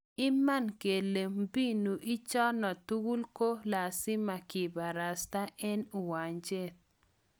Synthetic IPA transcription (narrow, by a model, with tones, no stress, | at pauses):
ɪ˦ma˦˨nke˨le˨m˦bi˦nu˨ʔi˦t͡ʃɔ˦nɔ˨tu˦ɡu˦lko˦la˨sɪ˦ma˨kɪ˨ba˨ɾa˨sta˦ʔɛ˦nu˨wa˨ɲd͡ʒe˦˨t̪̚